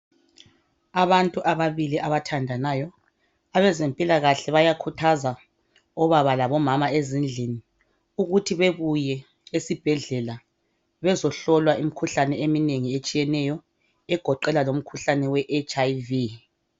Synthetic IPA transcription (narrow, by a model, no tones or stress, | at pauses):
aβantʼuʔaβaβiliʔaβatʰandʱanaːjɔ | aβɛzempʼilaɣaɬɛβajakʰutʰaza | ɔβaβalaβɔmamaezind͡ɮʱini | uɣutʰiβeβujɛ | esib̥ʱɛɮɛla | βɛzɔɬɔlwaim̩kʰuɬanɛemineŋiet͡ʃʼijɛnɛjɔ | ɛɡ̥ʱɔǃɛlalom̩kʰuɬanɛwɛʔet͡ʃʼajvi